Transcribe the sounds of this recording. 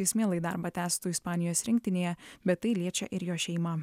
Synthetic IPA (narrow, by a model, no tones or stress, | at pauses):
ɐɪsʲmʲeːlˠɐɪd̪ɑ̰ːˑɾbɑt̪ʲæːst̪uːɪspɑːnʲɪjoːsɾʲɪŋkʲt̪ʲɪnʲejɛbʲɛt̪ːɐɪlʲiɛt͡ʃʲɛ̰ʔɪɾjoːʃʲɛɪmɑ